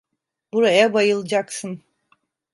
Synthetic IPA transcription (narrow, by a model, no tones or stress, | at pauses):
buɾajabajɯlˠɯd͡ʒaksɯn